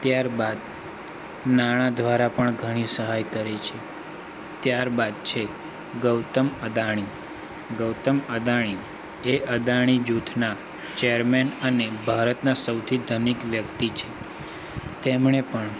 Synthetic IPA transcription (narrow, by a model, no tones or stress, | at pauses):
t̪jaɾbad̪ | naɽ̃ad̪ʋaɾapəɳɡʱəɽ̃isəɦajkəɾet͡ʃʰe | t̪jaɾbad̪̚t͡ʃʰe | ɡəwt̪əməd̪aɽ̃i | ɡəwt̪əməd̪aɽ̃i | eʔəd̪aɽ̃id͡ʒut̪ʰna | t͡ʃejəɾmenənebʱaɾət̪nasəwt̪ʰid̪ʱənikʋjəkt̪it͡ʃʰe | t̪emɳepəɳ